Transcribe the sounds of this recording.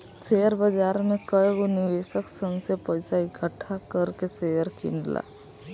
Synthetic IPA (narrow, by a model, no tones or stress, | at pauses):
sejəɾbɐd͡ʒaːɾmẽkəjɡonɪʋeːʃəksənsepɐjɪsaɪɡʰʱəʈʰːakəɾkesejəɾkḭnla̰ː